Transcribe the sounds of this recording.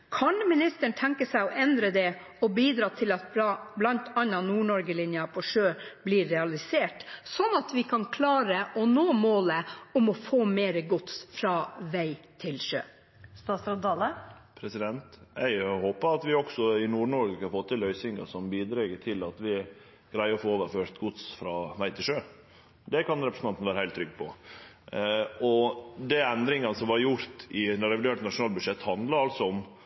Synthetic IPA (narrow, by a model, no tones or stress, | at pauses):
kʰɑnmɪnɪst̪əɳt̪ʰɛŋkəsæɪɔʔɛnd̪ɾəd̪ɛ | ɔbiːd̪ɾɑːt̪ʰɪlɑt̪blɑnt̪ʰɑnːɑnuːɳɔɾɡəlɪnjɑpʰɔʂøːb̥liːɾɛɑlɪseːʈsɔnɑt̪ʋɪkʰɑnkʰlɑːɾəʔɔnoːmoːləʊmɔfoːmeːɾəɡʊt̪sfɾɑːʋæɪt̪ʰɪlʃø̰ː | st̪ɑsɑd̪ɑːlə | pʰɾɛsɪd̪ɛnt̪æɪhoːpəɾɑt̪ʋɪɔɡsɔɪnuːɾɳɔɾɡəkɑɑfɔt̪ʰːɪlœʏsɪŋɑ̰sɔmbiːd̪ɾɛɡət̪ʰɪlɑt̪ʋɪ | ɡ̥ɾæɪəɔfoːoːʋəɾføːɾt̪ɡʊt̪sfɾɑʋæɪt̪ʰɪlʂøː | d̪ɛkɑnɾɛpɾəsn̩ɑnt̪nʋæːɾəhæɪlt̪ʰːɾʏɡːpʰɔ | ɔd̪ɛɛnd̪ɾɪŋɑnəsɔmʋɑɾjʊɾt̪ɪnɛɾɛʋɪd̪eːʈnɑʂʊnɑːlbʉʂɛt̪ːhɑnd̪lɑɾɑlsɔɔm